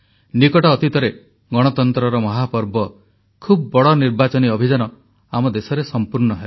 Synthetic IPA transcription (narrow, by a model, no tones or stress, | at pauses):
nikɔʈɔːt̪it̪ɔɾe | ɡɔɽ̃ɔt̪ɔnt̪ɾɔɾɔmɔɦapɔɾbɔ | kʰubbɔɽɔniɾbat͡ʃɔniɔbʱid͡ʒanɔ | amɔd̪esɔɾesɔmpuɾɳɔɦe